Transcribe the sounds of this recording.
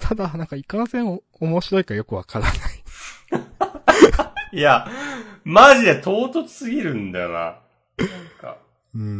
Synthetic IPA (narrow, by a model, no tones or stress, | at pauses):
t̪ʰad̪anãŋkaikãsẽ̞ɰ̃ | omo̞ɕiɾo̞ikajo̞kɯ̟βakaɾanai | ja | maʑid̪et̪ʰo̞ːt̪ot͡sɨ̥sɨɡʲiɾɯ̟̃nd̪a̰na̰ | nãŋka̰ | ɯ̟̃ː